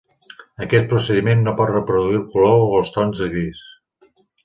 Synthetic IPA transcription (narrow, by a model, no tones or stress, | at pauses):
əkɛt̪̚pɾusəðimenːopɔt̪rəpɾuðuilˠkuloəlˠst̪ɔnzðəɣɾis